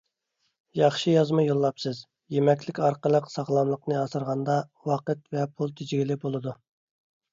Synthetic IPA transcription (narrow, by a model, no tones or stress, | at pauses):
jɑχʃijɑzmɑjolˠːɑpsɨz | jemɛkʲlɪkʲɑɾqəlˠəqsɑʁlˠɑmlˠəqnɨɑsɨɾʁɑnd̪ɑwɑqət̪vɛpʰulˠt̪ʰɪd͡ʒɡʲilɪbolˠɨd̪u